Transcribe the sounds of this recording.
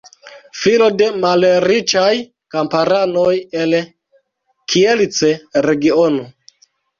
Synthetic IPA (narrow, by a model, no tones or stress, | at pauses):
filo̞de̞malɾit͡ʃaj | kampaɾanojel | kʰielt͡seɾe̞ɡiono